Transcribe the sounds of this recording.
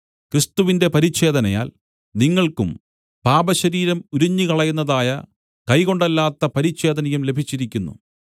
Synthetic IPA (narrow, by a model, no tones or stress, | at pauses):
krist̪uʋinde̞pɐɾiɕe̞ːd̪ɐnɐja̰ːl | niŋːɐɭkṵm | paːbɐɕɐɾiːɾɐmuɾuɲːikɐɭɐjunːɐðaːjɐ | kɐjko̞ɳɖɐlːaːt̪ːɐpɐɾiɕe̞ːd̪ɐnɐjumle̞bʱit͡ɕːiɾikʲːunːṵ